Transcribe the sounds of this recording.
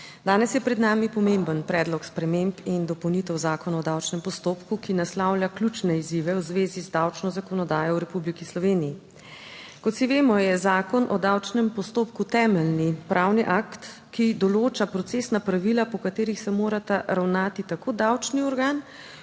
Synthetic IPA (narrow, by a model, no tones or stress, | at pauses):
d̪aːnɛsjɛpɾɛd̪naːmipɔmembənpɾɛːd̪lɔkspɾɛmempind̪ɔpɔwnit̪ɛwzaːkɔnaɔd̪awt͡ʃnɛmpɔst̪oːpkukinaslawlʲjaklʲut͡ʃnɛiziʋɛwzʋeːzizd̪awt͡ʃnɔzakɔnɔd̪aːjɔwɾɛpublikislɔʋeːnijː | kɔt̪siʋeːmɔjɛzaːkɔnʔɔd̪awt͡ʃnɛmpɔst̪oːpkut̪ɛːmɛlnipɾʔawniʔakt̪ | kid̪ɔloːt͡ʃapɾɔt̪seːsnapɾaʋilapɔkat̪eːɾixsɛmoːɾat̪aɾawnaːt̪it̪akoːd̪awt͡ʃniɔɾɡaːn